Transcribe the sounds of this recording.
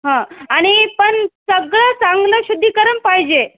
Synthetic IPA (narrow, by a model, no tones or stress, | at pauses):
ɦãaɽ̃ipəɳsəɡɭəsãŋɡləɕud̪ʱːikəɾəmpaɦid͡ʑe